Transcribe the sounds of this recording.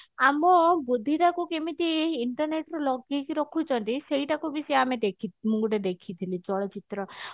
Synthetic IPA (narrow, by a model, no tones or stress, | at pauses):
amɔbud̪ʱːiʈakukemit̪iiɳʈɔɾneʈɾɔlɔɡekiɾɔkʰut͡ʃʰɔnt̪isejʈakubisiamed̪ekʰimuŋɡuʈed̪ekʰit̪ʰilit͡ʃɔɭɔt͡ʃit̪ɾɔ